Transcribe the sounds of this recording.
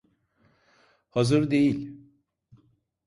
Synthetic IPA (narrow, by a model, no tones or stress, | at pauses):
hazɯɾd̪e̞jilʲ